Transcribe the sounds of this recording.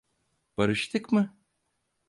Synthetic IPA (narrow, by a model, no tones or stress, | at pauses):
b̥ɐɾɯʃt̪ʰɨkmɨ